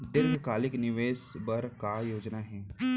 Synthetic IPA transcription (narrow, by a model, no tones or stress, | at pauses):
d̪ɪɾɡʱkaːlɪknɪʋeːsbɐɾkajoːd͡ʒnaɦɛː